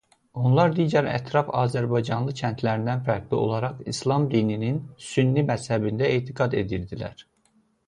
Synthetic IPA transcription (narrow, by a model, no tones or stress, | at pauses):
o̞nlˠɑɾd̪iːɟæɾæ̰t̪ʰɾɑfɑːzæɾbɑjd͡ʒɑnlˠɯcʰænt̪ʰlæɾind̪ænfæɾɡlio̞̰lˠɑɾɑχislˠɑmd̪iːnininsynːimæshæbind̪æeːt̪ʰiɡɑd̪e̞̰d̪iɾd̪ilæ̰ɾ̥